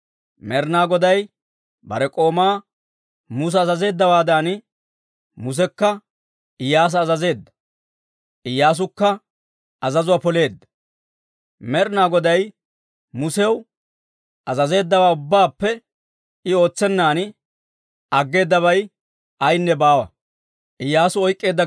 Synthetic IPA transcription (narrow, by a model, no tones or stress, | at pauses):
mɛɾnaːɡɔd̪ɐj | bɐ̰ɾɛkʼo̞ːmaː | mʊs̬ɐːzɐze̞ːd̪ːɐwaːd̪an | mʊs̬ɛkːɐ | ɪjːaːs̬ɐːzɐze̞ːd̪ːɐ̥ | ʔɪjːaːs̬ʊkːɐ | ɐzɐzʊwapɔle̞ːd̪ːɐ̥ | mɛɾnaːɡɔd̪ɐj | mʊsɛw | ʔɐzɐze̞ːd̪ːɐwaːʊbːaːpːɛ | ɪo̞ːt͡sːɛnːaːn | ɐɡːe̞ːd̪ːɐβɐj | ɐjnːɛbaːwɐ̰ | ʔɪjːaːsʊɔjkʼːe̞ːd̪ːɐ